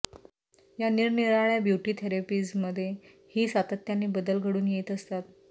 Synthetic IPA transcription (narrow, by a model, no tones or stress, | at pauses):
janiɾniɾaɭjabjuʈiːt̪ʰeɾepiːsməd̪ʱːje | hiːsat̪ət̪janːiːbəd̪əlɡʱəɽuːnjet̪əst̪at̪̚